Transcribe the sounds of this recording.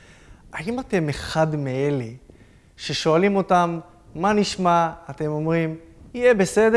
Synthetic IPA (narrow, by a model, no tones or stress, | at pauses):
aimate̞meχadmeele | ʃe̞ʃo̞alimo̞tamː | aniʃmaːte̞mo̞mʁimijebe̞se̞de